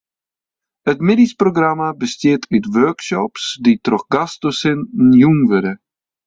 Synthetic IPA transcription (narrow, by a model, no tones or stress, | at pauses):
ətmɪdisproɡramabəstɪːtʰytʋœɹkʃɔpsditrɔχɡastosɪnnjuŋvødə